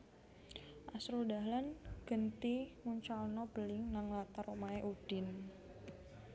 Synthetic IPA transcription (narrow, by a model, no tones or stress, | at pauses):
ʔasɾudaɦlanɡ̥ənt̪imuɲt͡ʃalnɔb̥əlɪŋnaŋlat̪aɾɔmaeʔud̥ɪn